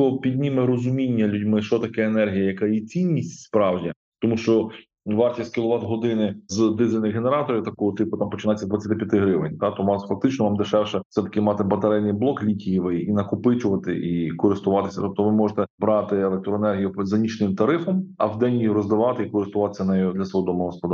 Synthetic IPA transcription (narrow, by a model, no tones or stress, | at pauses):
ɔɔpʲid̪ʲnʲimɛɾɔzʊmʲinʲːɐlʲudʲmɪʃt͡ʃɔt̪ɐkɛenɛrɦʲijɐjɐkɑjit͡sʲinʲːisʲtʲspɾɑwʒʲi | t̪ɔmuʃt͡ʃɔ | ʋɑrtʲisʲt̪ʲkʲɪlˠʊʋɑt̪ɦɔd̪ɪnɪzd̪ɪzʲɪlʲnɪxɦeneɾɑt̪ɔɾʲiwt̪ɐkɔɔt̪ɪpʊt̪ɑmpɔt͡ʃɪnajʲt͡sʲːɐd̪ʋɐt͡sʲːɐt̪ɪpʲjɐt̪ɪɦɾɪʋɪ̰nʲt̪ɑt̪ɔnɑsfɐk̚t̪ɪt͡ʃnɔʋɑmd̪ɪʃɛwʃɛ̥sɛt̪ɐ̥kɪmɑt̪ɛbɐt̪ɐɾɛlʲnɪjblˠɔklʲikʲijiʋɪinɐkʊpɪt͡ʃʊʋɐt̪ɪʔikɔɾɪst̪ʊʋɑt̪ɪ̥sʲɐ̰t̪ɔp̚t̪ɔʋɪmɔʒet̪ɛbɾɑt̪ɪelˠek̚t̪ɾɔenɛrɦʲijʊzɐnʲit͡ʃnɪmt̪ɐɾɪfɔmɐ̰wd̪ɛnʲjijiɾɔzd̪ɐʋɑt̪ɪikɔɾɪst̪ʊʋɑt̪ɪ̥sʲɐnɛjɔd̪lʲɐsʋɔɦɔd̪ɔmɐɦɔspɔd̪